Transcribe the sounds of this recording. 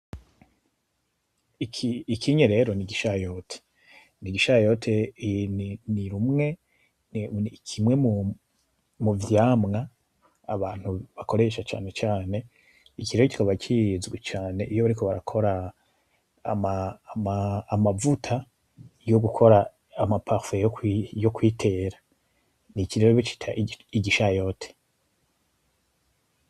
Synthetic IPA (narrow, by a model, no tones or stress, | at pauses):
ikʰiikʰiɲeɾe̞ɾo̞niɡiʃajo̞tʰe̥ | niɡiʃajo̞tʰeniniɾumŋe̞ | nikʰimwe̞mu | muvjaːmŋa | aβaːn̥huβako̞ɾe̞ʃat͡ʃa̰ːne̞t͡ʃaːne̞ | ikiɾeɾoci̥kaβat͡ʃʰizɡwet͡ʃaːne̞ʔijo̞βaɾiko̞βaɾa̰kʰo̞ɾa | mamaːmavutʰa | joɡukʰo̞ɾaː | mapʰaʁfejokjokwiːtʰe̞ːɾa | nikiɾeɾoβot͡ʃi̥tʰa̰ʔiɟiʃajo̞tʰe̥